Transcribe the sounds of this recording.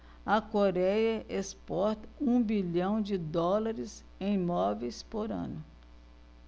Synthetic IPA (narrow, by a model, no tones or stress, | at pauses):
ɐkoɾɛjɐʔespɔɾt̪ɐũbiʎɐ̃w̃d͡ʒɪd̪ɔlaɾɪs | ẽj̃ĩmɔvejspoɾɐ̰̃nʊ